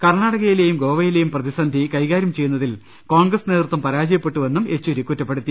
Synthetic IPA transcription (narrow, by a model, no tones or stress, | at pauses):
kɐrɳaːɽɐɣɐjile̞ːjumɡo̞ːʋɐjile̞jumprɐðisɐnd̪ʱikɐjɣaːɾjɐmt͡ɕe̞jːunːɐðil | ko̞ːɳɡrɐsneːrut̪ːɐmpɐɾaːd͡ʑɐjɐpːe̞ʈːuʋe̞nːume̞t͡ɕːoɾikːutːɐpːe̞ɽut̪ːi